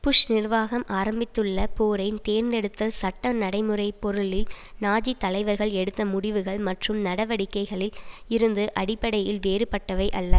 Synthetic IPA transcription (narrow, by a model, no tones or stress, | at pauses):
pʊʂnɪrʋaːɣɐmʔaːɾɐmbɪt̪ːɯɭːɐpoːɾɐɪnt̪eːɾnd̪ɛɽɯt̪ːɐsɐʈːɐnɐɽɐɪmɯrɐɪpːɔɾɯɭɪlnaːd͡ʒit̪ːɐlɐɪʋɐɾɣɐɭɛɽɯt̪ːɐmʊɽɪʋɯɣɐɭmɐʈrɯmnɐɽɐʋɐɽɪkːɐɪɣɐɭɪlɪɾɯnd̪ɯʔɐɽɪpːɐɽɐjɪlʋeːɾɯpːɐʈːɐʋɐɪʔɐlːɐ